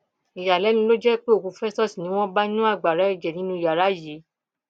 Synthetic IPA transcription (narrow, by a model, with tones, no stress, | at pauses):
i˨ja˨lɛ˨˦nĩ˧˦lo˦d͡ʒɛ˦k͡pe˦o˦˨kũ˨˧˦fɛ˦sɔ˦si˨nĩ˨˦w̃ɔ̃˦ba˦nũ˦a˦˨ɡ͡ba˨ɾa˨˦i˦˧˨d͡ʒɛ˨nĩ˨˦nũ˦i˨ja˨ɾa˨˦je˨˦